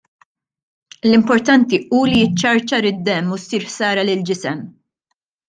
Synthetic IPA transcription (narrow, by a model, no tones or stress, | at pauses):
lɪmpɔɾt̪ɐnt̪iuːlijɪt͡ʃːɐɾt͡ʃɐːɾɪd̪ːɛmːusːiːɾħsɐːɾɐlɪld͡ʒɪsɛm